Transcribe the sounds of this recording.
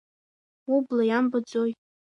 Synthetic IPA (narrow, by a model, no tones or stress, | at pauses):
ublajambad͡zoj